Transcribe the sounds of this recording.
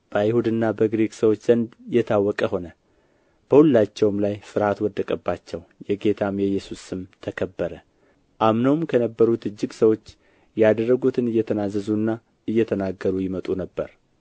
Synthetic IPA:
b̥əjɪhud̪ɨnːabəɡɾeksəwot͡ʃːz̥ənd̪jɛt̪ʰawːɔkʼəho̞nə | b̥əhulːat͡ʃːɛwmlajfɨɾhat̪wɔd̪ːəkʼəbːat͡ʃːɛwjɛɡe̞t̪ʰamjɛjɛsusɨmt̪ʰəkʰəbːəɾə | ʔamnəwmkʰənəbːəɾut̪ɨd͡ʒːɨɡsəwo̞t͡ʃː | jad̪ərːəɡut̪ʰɨnɨjːɛt̪ʰənazːəzunːa | ɨjːɛt̪ʰənaɡəɾujɪmət̪ʼunəbːə̰ɾ

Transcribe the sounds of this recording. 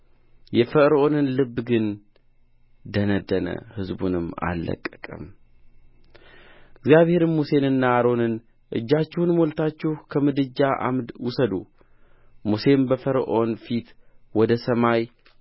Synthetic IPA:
jɛfəɾo̞nɨnlɨbːɡɨn | d̪ənəd̪ːənə̰hɨzbṵnɨmːa̰lːə̰kʼːə̥kʼə̰m | ɨɡzijaβhe̞ɾɨnmuse̞nɨnːaːɾo̞nɨn | ʔɨ̰d͡ʒːat͡ʃːɪhunmolt̪ʰat͡ʃːɪhkʰəmɨd̪ɨd͡ʒːaʔa̰mwusəd̪u | muse̞mbəfəɾʔonfit̪wɔd̪əsəmaj

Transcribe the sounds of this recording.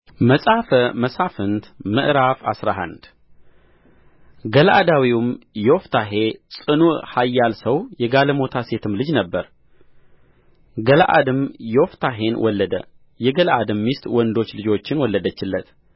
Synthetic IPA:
məsʼafəməsafɨnt̪mɨʔɾafa̰sɾaɦa̰nd̪̥ | ɡəlʔa̰d̪awiwumjɛwɔft̪ʰaɦe̞sʼɨnuʔhajːalsəwjɛɡaləmo̞t̪ʰase̞t̪ʰɨmlɨd͡ʒnəbːəɾ | ɡəlʔa̰d̪ɨmjɛwft̪ʰaɦe̞nwʔɔlːəd̪ə | jɛɡəlʔad̪ɨmːist̪ʼwɔnd̪o̞t͡ʃːlɨd͡ʒo̞t͡ʃːɪnwɔlːəd̪ət͡ʃːɪlːət̪

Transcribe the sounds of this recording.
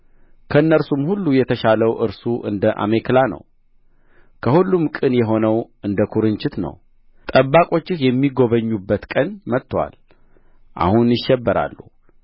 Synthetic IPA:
kʰəɨnːəɾsumhulːujɛt̪ʰəʃaləwʔɨɾsuʔɨ̰nd̪əʔa̰mekʰlanə̰w | kʰəhulːumkʼɨnjɛɦo̞nəwʔɨnd̪əkʰuɾɨnt͡ʃɪt̪nə̰w | t̪ʼəbːakʼo̞t͡ʃːɪhjɛmːiɡo̞βəɲːubːət̪kʼənmət̪ːwa̰l | ʔa̰hunjɪʃːɛbːəɾa̰lːu

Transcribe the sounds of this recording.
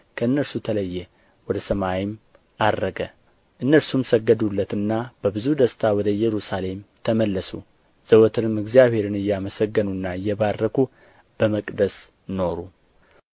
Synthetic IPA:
kʰəɨnːəɾsut̪ʰələjːɛ | wɔd̪əsəmawim | ad̪ːəɡə | ʔɨnːəɾsumsəɡːəd̪ulːət̪ɨnːab̥əbɨzud̪əst̪ʰawɔd̪əjːɛɾusale̞mt̪ʰəməlːəsu | z̥əwɔt̪ʰɨnɨmːɨɡzijaβhe̞ɾɨnɨjːɛaməsəɡːənunːaɨjːɛβadːəkʰu | b̥əməkʼd̪əs | no̞ɾu

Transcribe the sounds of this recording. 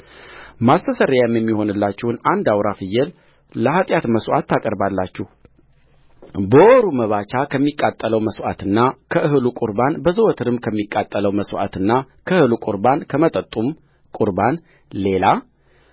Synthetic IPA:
mast̪ʰəsəɾjjɛmjɛmːiho̞nɨlːat͡ʃːɛhnand̪awɾafɨjːɛl | ləhat̪ʼjat̪məswʔa̰t̪ːakʼəɾbalːat͡ʃːɛh | bəoɾuməβat͡ʃakʰəmːikʼːat̪ʼːələwməswʔat̪ɨnːakʰəʔɨhɨlukʼuɾbanbəzwɔt̪ʰɨɾɨmkʰəmːikʼːat̪ʼːələwməswʔa̰t̪ɨnːa | kʰəhɨlukʼʊɾbankʰəmət̪ʼət̪ʼːum | kʼuɾban | le̞la

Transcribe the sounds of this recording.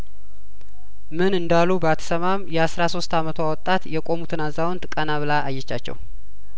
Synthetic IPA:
mɨnɨnd̪alːubəat̪ʰə̥səmamjɛasɾaso̞st̪amət̪ʰoawɔt̪ʼːat̪jɛkʼo̞mut̪ʰɨnazːawɔnt̪kʼənaβɨlaʔːjːɛt͡ʃːat͡ʃːɛ̰w

